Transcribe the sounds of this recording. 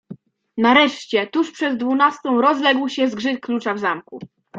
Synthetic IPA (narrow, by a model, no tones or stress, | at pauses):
naɾɛʂt͡ɕɛt̪uʂpʂɛd̪ːvunast̪ɔ̃w̃ɾɔzlɛɡwɕɛzɡʐɘklut͡ʂavzamku